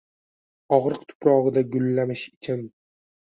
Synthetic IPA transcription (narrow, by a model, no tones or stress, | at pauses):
ɒʁɾɨq̚t̪ʰʊ̥pɾɒʁɨd̪aɡʊlːamɪʃɪt͡ʃʰɪn